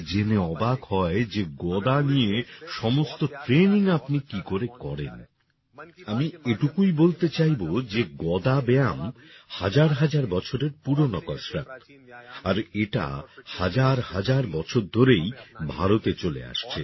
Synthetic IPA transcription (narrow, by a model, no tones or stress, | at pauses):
d͡ʑeneɔbakhɔed͡ʑeɡɔd̪anijeʃɔmost̪oʈɾeniŋapnikikoɾekɔɾen | amieʈukujbolt̪et͡ɕajbod͡ʑeɡɔd̪abɛam | had͡ʑaɾɦad͡ʑaɾbɔt͡ɕʰoɾeɾpuɾonɔkɔʃɾa | aɾeʈa̰had͡ʑaɾhad͡ʑaɾbɔt͡ɕʰoɾd̪ʱoɾejbʱaɾot̪et͡ɕolḛa̰ʃt͡ɕʰḛ